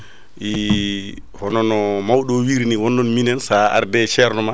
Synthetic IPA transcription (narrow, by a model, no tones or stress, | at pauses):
ʔi | hɔnɔnɔmawɗɔwiɾniwɔnːɔnminɛnsaa̰ɾdɛt͡ʃɛɾnɔma